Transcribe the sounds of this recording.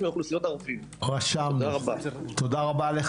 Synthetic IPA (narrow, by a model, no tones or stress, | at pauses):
mjuχlusijot̪aʁufim | ʁaʃamabat̪od̪aʁabale